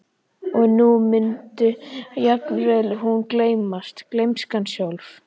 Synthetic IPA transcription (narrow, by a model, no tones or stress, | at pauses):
ɔɣnumʏnt̪ʏjat̪nɾɛðlʏɦunkleːjmast̪klejmskansjawlf